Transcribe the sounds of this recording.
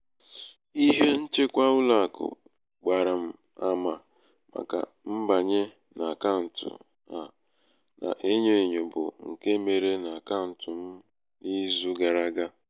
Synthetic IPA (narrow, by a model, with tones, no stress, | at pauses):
i˦ɦe˦n̩˦t͡ʃe˦kʷa˦ʊ˦la˦˨kʊ̰˨ | ɡ͡ba˨ɾa˨m̩˨ | a˦ma˨ | ma̰˨ka̰˨ | m̩˦ba˨ɲe˦ | na˨ka˦n̩˨tʊ̰˨ | a˨ | na̰˨ʔe˦ɲe˦˨ɲo˨bʊ̰˨ŋ̩˨ke˦me˨ɾe˦na˨ka˦n̩˨tʊ˨m̩˦ | ni˦zu˦ɡa˨ɾa˦ɡa˦